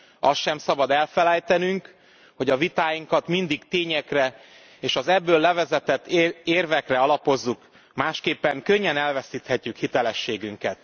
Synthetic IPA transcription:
ɒsʃɛmsɒbɒd̪ɛlfɛlɛjt̪ɛnyŋk | ho̞ɟɒvit̪aːjiŋkɒt̪mind̪iɡt̪eːɲɛkrɛ | eːʃɒzɛbːøːlːɛvɛzɛt̪ɛt̪ːeːrvɛkrɛɒlɒpo̞zːuk | maːʃkeːpːɛŋkø̞ɲːɛnɛlvɛsiːt̪hɛcːykhit̪ɛlɛʃːeːɡyŋkɛt̪

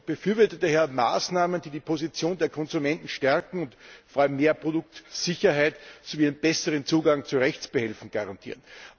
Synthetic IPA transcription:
b̥əfyːɐvʏɐtətəhɛɐma̰ːsnaːmənd̥iːdiːpʰozit͡sjoːndeːɐkʰɔnzumɛntn̩ʃtɛɐkŋ̩ʊntfɔɐaləmːeːɐpʁ̥odʊk̚tz̥ɪçɐɦæɪtsoviːnnb̥ɛsəʁənt͡suːɡaŋt͡suʁɛçt͡sb̥əhɛlfn̩ɡ̥aʁantʰḭːɐən

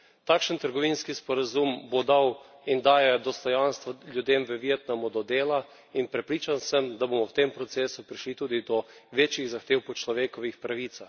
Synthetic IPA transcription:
t̪akʃənt̪əɾɡɔʋinskispɔɾazumbod̪aw | ind̪aːjɛd̪ɔst̪ɔjanst̪ʋalʲjud̪eːmʋəʋit̪namɔd̪ɔd̪eːla | inpɾɛpɾiːt͡ʃansəmd̪abomɔwt̪empɾɔt̪seːsupɾiʃlit̪uːd̪id̪ɔ | ʋeːt͡ʃjiɣzaxt̪eːwpɔt͡ʃlɔʋeːkɔʋixpɾaʋit̪sax

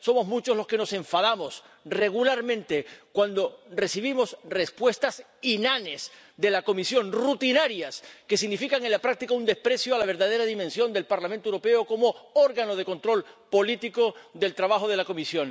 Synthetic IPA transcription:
so̞mo̞zmut͡ʃo̞slo̞ske̞no̞se̞ɱfaðamo̞s | re̞ɣ̞ulaɾmẽ̞nt̪e̞kwand̪ore̞siβimo̞sre̞spwe̞st̪as | inane̞s | d̪e̞lako̞misjo̞nrut̪inaɾjaske̞siɣnifikaŋe̞nlapɾak̚t̪ikaund̪espɾe̞sjoalaβ̞e̞ɾðað̞e̞ɾaðimẽ̞nsjo̞nd̪e̞lpaɾlamẽnt̪oewɾope̞oko̞mo̞oɾɣano̞ð̞e̞ko̞nt̪ɾo̞lpo̞lit̪iko̞ðe̞lt̪ɾaβaxoð̞e̞lako̞misjo̞n

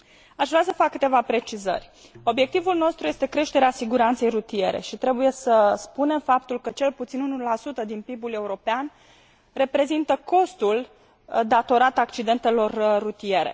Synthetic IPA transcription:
aʃvɾeasəfakːɨt̪e̞vapɾe̞t͡ʃizə̰rʲ | o̞bje̞k̚t̪ivulno̞st̪ɾuje̞st̪e̞kɾe̞ʃt̪e̞ɾeasiɡuɾant̪se̞jrut̪ie̞ɾe̞̰ʃit̪ɾe̞buje̞səspune̞mfap̚t̪ulkət͡ʃe̞lput̪sinunulasut̪əd̪inpibule̞uɾo̞pean | re̞pɾe̞zint̪əko̞st̪ul | d̪at̪o̞ɾat̪akt͡ʃid̪e̞nt̪e̞lo̞rːut̪ije̞ɾe̞̰

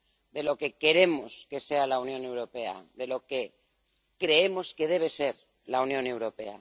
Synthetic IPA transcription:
d̪e̞lo̞ke̞ke̞ɾe̞mo̞ske̞se̞alaunjõ̞ne̞wɾo̞pe̞a̰ðe̞lo̞ke̞ | kɾe̞emo̞ske̞ðe̞β̞e̞se̞ɾ | launjõne̞wɾo̞pe̞̰a̰

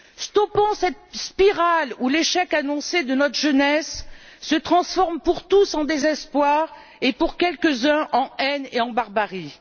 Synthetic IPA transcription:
st̪ɔpɑ̃sɛt̪spiʁaluleʃɛkanɔ̃sed̪ənɔt̪χəʒənɛsː | ət̪χɑ̃sfɔʁmpuʁt̪usɑ̃d̪ezɛspwaʁ | epuʁkʲɛlkəzɛ̃ʔɑ̃ɛneɑ̃baʁbaʁi

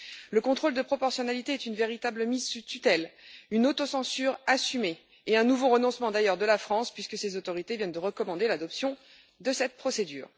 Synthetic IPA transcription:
ləkɔ̃t̪χold̪əpχɔpɔʁsjɔnalit̪eɛt̪ynveʁit̪abləmizsut̪yt̪ɛlynot̪osɑ̃syʁasymeː | ɛ̃nuvoʁənɔ̃smɑ̃d̪ajœʁd̪əlafχɑ̃spɥiskəsezot̪ɔʁit̪evjɛnd̪əʁəkɔmɑ̃d̪elad̪ɔpsjɔ̃ | d̪əsɛt̪̚pχɔsed̪y̰ːʁ

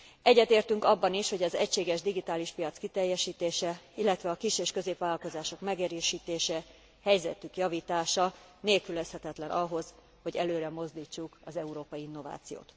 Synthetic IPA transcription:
ɛɟːɛt̪eːrt̪yŋkɒbːɒniʃho̞ɟɒzɛcʃeːɡɛʒd̪iɡit̪aːliʃpijɒt̪skit̪ɛjːɛʃiːt̪eːʃɛilːɛt̪ʋɛɒkiʃeːʃkø̞zeːpʋaːlɒlko̞zaːʃo̞kmɛɡeɾøːʃiːt̪eːʃɛ | hɛjzɛ̰t̪ykjɒviːt̪aːʃɒneːlkylɛshɛt̪ɛt̪lɛnʔɒɦo̞z | ho̞ɟɛløːɾɛmo̞zd̪iːt͡ʃːukɒzɛuɾoːpɒjiinːo̞va̰ːt̪sijo̰ːt̪

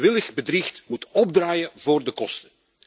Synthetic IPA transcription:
ʋɪləɣbədrixtmutɔb̚draːjəvoːrdəkɔstə̥

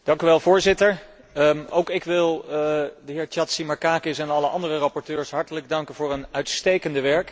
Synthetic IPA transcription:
d̥ɑŋkyʋɛlˠvʊːɹzɪtəɹ | owkɪkʋɪlˠdəɦɪːɹt͡ʃɑtsimɑɹkaːkɪsɛnɑləʔɑndərərɑpɔɹtøːɹsɦɑɹtələɡ̚dɑŋkənvʊːɹənœɥtstejkəndəʋɛɹk

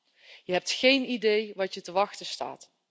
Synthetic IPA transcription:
jəɦɛp̚txejnidejʋɑtjətəʋɑxtəsta̰ːt

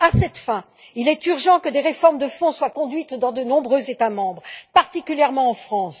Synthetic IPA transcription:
asɛt̪fɛ̃ | ilɛt̪yʁʒɑ̃kəd̪eʁefɔʁmd̪əfɔ̃swakɔ̃d̪ɥit̪d̪ɑ̃d̪ənɔ̃bʁøzet̪amɑ̃bʁpaʁt̪ikʲyljɛʁmɑ̃ːfχɑ̃s

